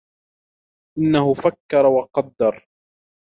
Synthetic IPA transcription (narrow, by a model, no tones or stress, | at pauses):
ʔɪnːahʊfakːɑɾˤɑwɑqɑd̪ːɑɾˤ